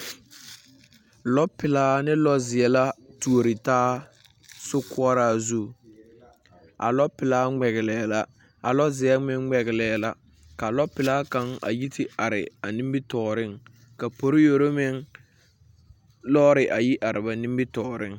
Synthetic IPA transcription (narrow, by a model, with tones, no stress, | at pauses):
lɔ˦pɪ˨laː˦nɪ˦lɔ˦zɪ˨ɛ˦la˦tu˨o˨ɾɪ˨taː˦ | sʊ˦kʊ˦ɔ˦ɾaː˦zu˦˨ | a̰˨lɔ˦pɪ˨laː˦ŋ͡mɛ˨ɣɪ˨lɛː˨la˨ | a˨lɔ˦zɪ˨ɛ˦mɪ˦ŋŋ͡mɛ˨ɣɪ˨lɛː˨la̰˨ | ka˨lɔ˦pɪ˨laː˦ka˦ŋa̰˨ji˦tʰɪ˨a˨ɾɪ̰˨a˨ni˦mbɪ˦tɔː˨ɾɪ˦ŋ | ka˨po˨ɾɪ˦jo˨ɾo˦mɪ˦ŋ | lɔ˦ɾɪ˨ʔa˨ji˦ʔa˨ɾɪ˨ba˨ni˦mbɪ˦tɔː˨ɾɪ˦˨ŋ